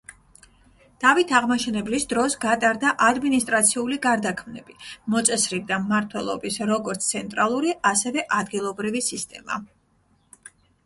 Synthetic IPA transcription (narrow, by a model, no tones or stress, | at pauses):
d̪̥avit̪ʰaʁmaʃɛnɛblisd̪ɾɔsɡat̪ʼaɾd̪aʔad̪minist̪ʼɾat̪sʰiuliɡaɾd̪akʰmnɛ̰b̥imɔt̪sʼɛsɾib̚d̪amːaɾt̪ʰwɛlˠɔ̰bisɾɔɡɔɾt̪sʰt̪sʰɛnt̪ʼɾalˠuɾiʔasɛvɛʔad̪ɡilˠɔbɾivisist̪ʼɛ̰ma̰